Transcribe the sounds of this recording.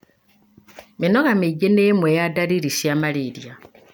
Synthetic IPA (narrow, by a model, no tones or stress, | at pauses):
minoɣamiɟenemwejadaɾiɾisjamaliɾja